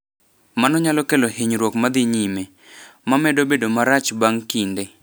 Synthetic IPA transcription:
manɔɲalɔkelohiɲɾwokmad̪ɪɲime | mamɛdobedomaɾat͡ʃbaŋkinde

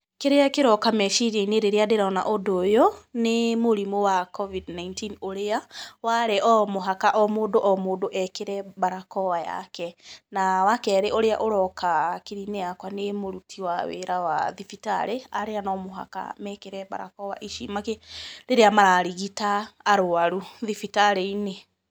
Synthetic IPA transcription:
keɾeakeɾɔkamɛʃiɾeineɾeɾeadeɾaɔna̰ʔodoːjɔnemoɾimowakɔvidnaintinoɾeawaɾeʔɔmoɦakaʔɔmoːdoʔɔmoːdoʔɛkeɾɛbaɾakɔwaja̰kɛnawakɛɾeʔoɾea̰ʔoɾɔkʰakiɾineakwanemoɾutʰiwawḛɾawa̰ðifita̰ɾeaɾeanɔmoɦa̰ka̰mɛkeɾɛba̰ɾa̰kɔwa̰ʔiʃḭmakeɾeɾeamaɾaɾiɣitaːɾoaɾuðifitaɾeine

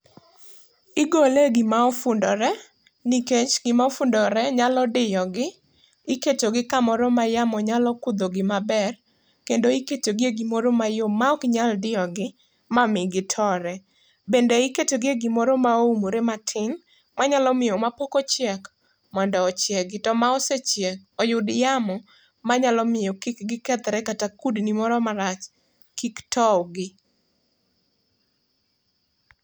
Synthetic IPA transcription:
ɪɡoleɡɪmaɔfʊndɔɾɛ | niket͡ʃɡɪmafʊndɔɾɛɲalɔdɪjɔɡɪ | iketoɡɪkamɔɾɔmajamɔɲalɔkʊd̪oɡɪmabɛr | kendoiketoɡɪeɡimoɾomajomaɔkɪɲaldɪjɔɡɪ | mamɪɡɪtʰɔɾɛ | bendeiketoɡeɡimoɾomaoumoɾematʰɪn | maɲalɔmɪjɔmapokot͡ʃjɛk | mɔndɔːt͡ʃjɛɡɪtɔmaɔset͡ʃjɛk̚ɔjʊdjamɔ | maɲalɔmɪjɔkikɡɪkɛt̪ɾɛkatakudnimɔɾɔmaɾat͡ʃ | kiktʰɔwɡɪ

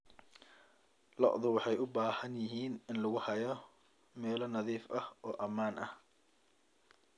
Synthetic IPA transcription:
lɔ̰ʔðʊwɑħɑjʊbaːhɐnjɪɦiːnɪnlʊɣʊhɐjɔ | mɛːlɔnɐðiːfɐhɔːʔɐmaːnɐh

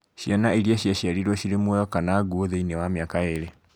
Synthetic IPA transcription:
ʃjanaiɾiaɕiaɕiaɾiɾwɔʃiɾemwɔjɔkanaɡuoðeinɛwamiakaeɾe

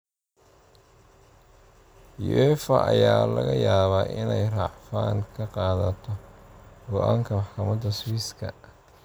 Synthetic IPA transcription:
jʊ̰ʔɛfɐʔɐjaːlɐɣɐjaːβaːʔɪnɛjrɑʕfaːŋkʰɐqɑːðɐt̪ʰɔɡ̥ɔʔaːŋkʰɐmɑħkʰɐmɐðɐswiːskʰɐ

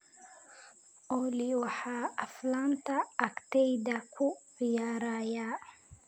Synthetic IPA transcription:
ʔɔliwɑħɑːɐflant̪ʰɐːkt̪ɛjd̪ɐkʰʊʕɪjaːɾaːjaː

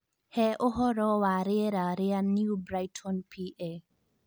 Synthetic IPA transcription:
hɛʔɔɦɔɾɔwaɾeɾaɾɛanːiubɾajtʰɔnpʰiʔe

